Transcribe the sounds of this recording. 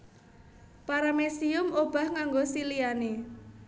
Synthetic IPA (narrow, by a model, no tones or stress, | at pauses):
paɾamesiʊmob̥a̤hŋaŋɡosiliane